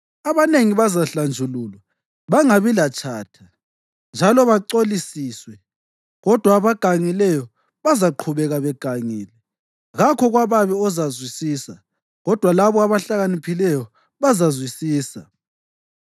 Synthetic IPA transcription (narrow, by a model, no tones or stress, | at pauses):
aβaneŋiβazaɬand͡ʒʱuluːlwa | βaŋaβilat͡ʃʼʰaːtʰa | nd͡ʒʱalɔβaǀolisiːswɛ | ɣɔd̥ʱwaːβaɡ̥ʱaŋilɛjɔ | βazaǃʰuβɛɣaβɛɡ̥ʱaŋiːlɛ | ɣakʰɔɣwaβaβɛɔzazwisiːsa | ɣɔd̥ʱwalaβɔaβaɬaɣanipʰilɛjɔ | βazazwisiːsa